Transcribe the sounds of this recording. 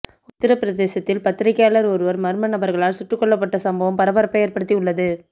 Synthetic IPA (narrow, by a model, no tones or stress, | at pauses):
ʊt̪ːɪɾɐpɪɾɐðeːsɐt̪ːɪlpɐt̪ːɪɾɐkːjaːlɐɾɔɾɯʋɐɾmɐɾɯmɐnɐbɐɾɣɐɭaːlsʊʈrɯkːɔɭːɐpːɐʈːɐsɐmbɐʋɐmpɐɾɐbɐɾɐpːɐjeːɾpɐɽɯt̪ːiʊɭːɐðɯ